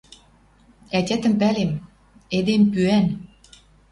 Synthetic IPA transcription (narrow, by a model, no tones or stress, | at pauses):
ætʲæt̪ə̆mpælem | ed̪empyæn